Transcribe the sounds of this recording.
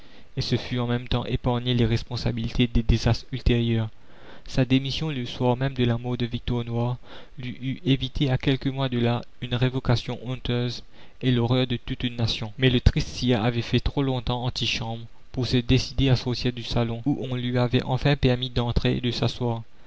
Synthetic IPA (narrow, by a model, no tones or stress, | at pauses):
esəfyɑ̃mɛmt̪ɑ̰̃ʔepaʁɲeleʁɛspɔ̃sabilit̪ʰed̪ed̪ezast̪χylt̪eʁjœːʁ | sad̪emisjɔ̃ləswaʁmɛmd̪əlamɔʁd̪əvik̚t̪ɔʁnwaːʁ | lɥiʔyʔevit̪ʰeakʲɛlkəmwad̪əla | ynʁevɔkasjɔ̃ʔɔ̃t̪øz | elɔʁœʁd̪ət̪ut̪ynːasjɔ̃mɛlət̪χist̪siaʔavɛfɛt̪χolɔ̃t̪ɑ̃ɑ̃t̪iʃɑ̃bʁ | puʁsəd̪esid̪easɔʁt̪iːʁd̪ysalɔ̃uʔɔ̃lɥiavɛʔɑ̃fɛ̃pɛʁmid̪ɑ̃t̪χed̪əsaswaːʁ